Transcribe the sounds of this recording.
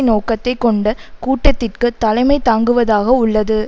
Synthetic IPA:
noːkɐt̪ːɐɪkːɔɳɖɐkuːʈːɐt̪ːɪrkɯt̪ɐlɐɪmɐɪt̪aːŋɡɯʋɐðaːɣɐʊɭːɐðɯ

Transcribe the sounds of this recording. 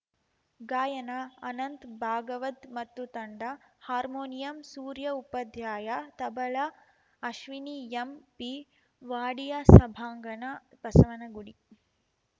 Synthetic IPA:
ɡaːjɐnɐɐnɐnt̪bʱaːɡɐʋɐd̪mɐt̪ːut̪ɐɳɖɐhaːɾmoːnijɐmsuːɾjɐupɐd̪ʱjaːjat̪ɐbɐlɐ | ɐʃʋiniempi | ʋaːɽijasɐbʱaːŋɡɐnɐpɐsɐʋɐnɐɡuɽi

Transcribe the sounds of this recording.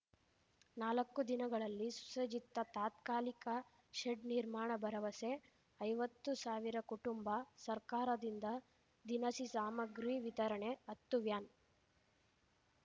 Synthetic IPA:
naːlɐkːud̪inɐɡɐɭɐlːisu̥sɐd͡ʒit̪ːɐt̪aːt̪kaːlikɐ | ʃeɖniɾmaːɳɐbɐɾɐʋɐse | ɐjʋɐt̪ːusaːʋiɾɐkuʈumbɐsɐɾkaːɾɐd̪ind̪ɐ | d̪inɐsisaːmɐɡɾiːʋit̪ɐɾɐɳeɐt̪ːuʋjaːn

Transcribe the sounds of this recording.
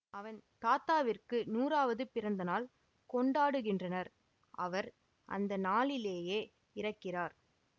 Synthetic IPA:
ɐʋɐnt̪aːt̪aːʋɪrkɯnuːraːʋɐðɯpɪɾɐnd̪ɐnaːl | kɔɳɖaːɽɯɣɪndrɐnɐɾ | ʔɐ̰ʋɐɾ | ʔɐ̰nd̪ɐnaːɭɪleːjeː | ɪɾɐkːɪraːɾ

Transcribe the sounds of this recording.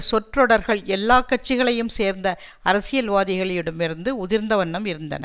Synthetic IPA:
sɔʈrɔɽɐɾɣɐɭɛlːaːkːɐʈ̚t͡ʃːɪɣɐɭɐjɯmseːɾnd̪ɐ | ɐɾɐsɪjɐlʋaːðɪɣɐɭɪɽɯmɪɾɯnd̪ɯʊðɪɾnd̪ɐʋɐɳːɐmɪɾɯnd̪ɐ̰nɐ̰

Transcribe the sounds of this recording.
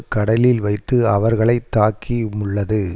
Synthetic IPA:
kɐɽɐlɪlʋɐɪt̪ːɯɐʋɐɾɣɐɭɐɪt̪ːaːkʰimʊɭːɐðɯ

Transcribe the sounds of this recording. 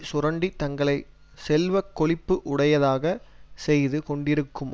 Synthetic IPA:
sʊɾɐɳɖit̪ɐŋɡɐɭɐɪ | sɛlʋɐkːɔɭɪpːɯʔʊɽɐjɐðaːɣɐsɛjðɯkɔɳɖɪɾɯkːɯm

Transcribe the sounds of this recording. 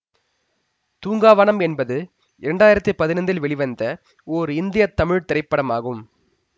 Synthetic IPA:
t̪uːŋɡaːʋɐːnɐmɛnbɐðɯ | ɪɾɛɳɖaːjɪɾɐt̪ːɯpɐðɪnɐnd̪ɪlʋɛɭɪʋɐnd̪ɐ | ɔːɾɯɪnd̪ɪjɐt̪ːɐmɪɻt̪ɪɾɐɪpːɐɽɐmaːɣɯm

